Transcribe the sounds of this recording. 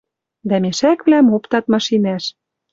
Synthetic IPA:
d̪æmeʃækβlæmopt̪ɑt̪̚mɑʃinæʃ

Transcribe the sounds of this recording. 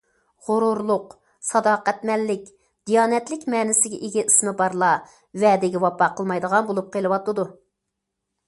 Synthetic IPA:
ʁʊɾuɾlˠʊq | sɑd̪ɑːqæt̪mɛlːɪkʲ | d̪̥ijɑːnɛt̪lɪkʲmɛːnɪsɪɡʲɛʔeɡʲɛʔismɨbɑɾlˠɑ | wɛd̪ɪɡʲɛwɑpɑqʰəlˠmɑjd̪əʁɑnbolˠup̚qʰelˠɨwɑt̪ːɨd̪u

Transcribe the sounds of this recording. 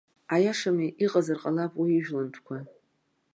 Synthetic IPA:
ajaʂamiʔiqʼazarqʼalapʼwiiʒᶣlantʷʰkʷʰa

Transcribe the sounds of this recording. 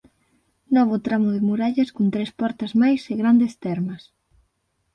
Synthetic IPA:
nɔβ̞ʊt̪ɾamʊðɪmuɾaʎɐskont̪ɾespɔɾt̪ɐzmajseɣɾand̪est̪ɛɾmɐs

